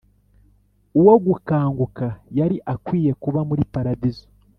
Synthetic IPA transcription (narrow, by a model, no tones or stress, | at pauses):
uwo̞ɡukaːŋɡukajaɾiʔakwiːje̞kuβamuɾipaɾadizo̥